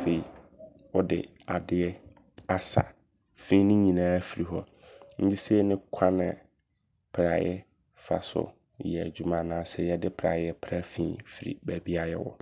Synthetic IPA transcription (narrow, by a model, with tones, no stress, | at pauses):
fe˦i˨ | wɔ˦dɪ̰˨ | a˨dɪ˦ɛ˦ | a˦sa̰˨ | fĩ˦nɪ̃˦ɲĩ˨nãː˦fi˨ɾi˨ɦɔ˦ | ɲ̩˦d͡ʑi˦sɛ˦nɪ̃˦kʷʰã˦nã̰˨ | pʰɾa̰˨jɛ˦ | fa̰˨sʊ̰˦ | jɛ˨d͡ʑu˨mã˨nãː˨˦˨sɛ˨jɛ˦dɪ˦pʰɾa˨jɛ˦pʰɾa˦fḭ̃ː˦fi˨ɾḭ˨bæ˨bi˦a˦jɛ̰˦wɔ̰˨